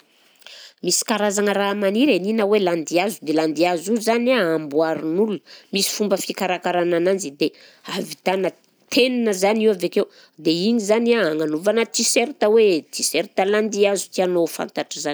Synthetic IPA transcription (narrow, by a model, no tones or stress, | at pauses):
misi̥kaɾazaŋəɾamaniɾeninəweland̪iazud̪eland̪iazuzanaambuaɾinulunəmisi̥fumbəfikaɾakaɾananand͡zid̪e | avit̪anə | t̪ʰeninəzaniwavekew | d̪eiɲizanaːŋanuvanət̪iseɾit̪əwet̪iseɾit̪əland̪iazu̥t̪ianofa̰nt̪aʈ͡ʂizani